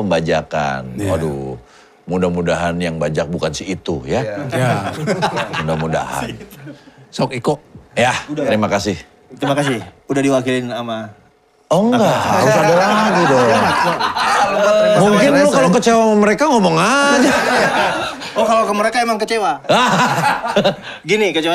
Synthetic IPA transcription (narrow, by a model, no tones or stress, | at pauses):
əmbad͡ʒaka̰nadṵ | mudahmudaɦanjaŋbad͡ʒak̚bukansiit̪ṵja | mudahmuda̰ɦa̰n | sɔkikojaəɾimakasɪh | t̪əɾimakasɪhudahdiwakilɪnama | ɔŋɡaʔha̰ɾʊsadalanaɡidɔ | muŋkɪnt̪ukalokət͡ʃewaməɾekaŋomɔŋad͡ʒa | ɔkalokəməɾekaemaŋkət͡ʃewaa | ɡinikət͡ʃewa